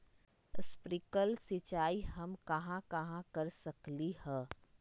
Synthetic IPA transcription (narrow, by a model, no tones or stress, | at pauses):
spɾikəlsɪt͡ʃaːihɐmkɐɦãkɐɦãkɐɾsɐklihɛ̃ː